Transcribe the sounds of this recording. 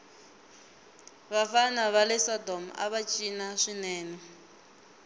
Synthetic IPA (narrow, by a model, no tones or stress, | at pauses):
βafanaβalɛsɔdɔm̩a̰βat͡ʃʼinaʂinɛːnɛ